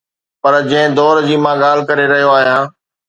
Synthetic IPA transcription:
pɐɾd͡ʑɐ̃ɪ̃d̪ɔːɾd͡ʑiːmãːɠaːl̤ɪkɐɾeɾɐɦijoaːɦijãː

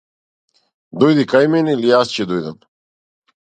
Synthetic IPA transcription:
d̪ɔjd̪ikajmɛnilijast͡ɕɛd̪ɔjd̪am

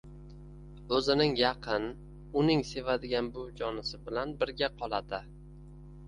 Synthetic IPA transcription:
ɵzɪnɪŋjɑqʰɨn | ʊnɪŋse̞vad̪ɪɡʲanbʊd͡ʒɒnɪsɪbɪlanbɪɾɡʲaqʰɒlˠad̪ɪ

